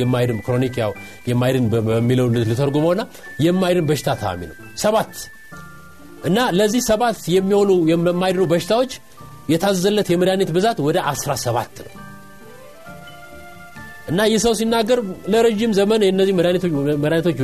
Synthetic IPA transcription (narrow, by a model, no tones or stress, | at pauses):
jɛmːajd̪ɨmkɾo̞nikja̰w | jɛmːajd̪ɨnbəəmːiləwnːɨt̪lɨt̪ʰəɾɡuməwɨnːa | jɛmːajd̪ɨmbəʃɪ̥t̪ʰat̪ʰəa̰mḭnəw | səβat̪ː | ʔɨnːaləzːihsəβat̪jɛmːiho̞nujɛmːajd̪ɨnubəʃɪ̥t̪ʰawo̞t͡ʃː | jɛt̪ʰazːəzəlːət̪jɛməɾjanet̪bɨzat̪wɔd̪əʔasɾasəβa̰t̪ːnə̰w | ʔɨnːajɛsəws̬inːaɡːəɾləɾeʒimzəmənɨnːəzːihməɾjaneməɾjanet̪ʰot͡ʃː